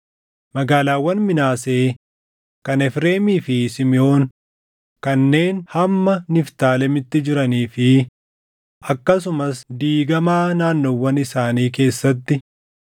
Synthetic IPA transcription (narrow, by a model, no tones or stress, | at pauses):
mɐɡaːlaːwːɐnmɪnaːse̞ː | kɐnɛfɾe̞ːmiːfɪsɪmɪo̞ːn | kɐnːe̞ːnhɐmːɐnɪft̪aːlɛmɪt̪ːɪd͡ʒɪɾɐniːfɪ | ʔɐkːɐs̬ʊmɐsd̪iːɡɐmaːnaːnːowːɐnɪsaːniːk̬e̞ːsːɐt̪ːɪ